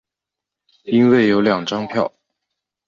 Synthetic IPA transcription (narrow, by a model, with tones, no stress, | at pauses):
i˥nwe˥˩ɪjo˧˥ʊljɑ˨˩ŋʈ͡ʂɑ˥ŋpʰjɑ˥˩ʊ